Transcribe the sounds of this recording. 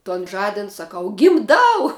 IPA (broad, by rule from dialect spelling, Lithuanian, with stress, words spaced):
toːn ˈʒɑːdʲɪn sɐˈkɐʊ ɡʲɪmˈdɐʊ